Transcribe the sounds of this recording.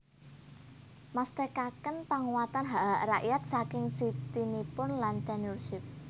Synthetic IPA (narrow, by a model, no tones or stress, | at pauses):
mast̪ekakənpaŋuwat̪anɦaʔaʔraʔjat̪̚sakɪŋsit̪inipʊnlant̪anurʃɪp̚